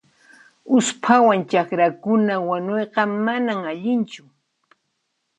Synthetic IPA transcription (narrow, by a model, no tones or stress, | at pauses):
ʊspʰawant͡ʃakɾakʊnawaɲojqɑmanamaʎɪnt͡ʃʊ